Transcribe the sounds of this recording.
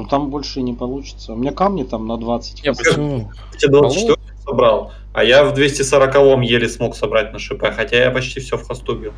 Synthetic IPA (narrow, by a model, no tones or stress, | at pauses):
t̪ambo̞lʲʂɨnʲɪpɐlˠut͡ɕɪ̥t̪səʊmʲɪnʲakamnʲɪt̪amnɐd̪vat̪sɨ̥tʲ | tʲed̪vat͡ʃːtvʲot̪ɨsɐbɾalˠ | ɐ̰javd̪vʲesʲtʲɪsəɾəkɐvo̞mjelʲɪsmo̞ksɐbɾat̚ʲnəʂɨpɛxɐtʲajapɐt͡ɕtʲifsʲofxɐst̪ubʲilˠ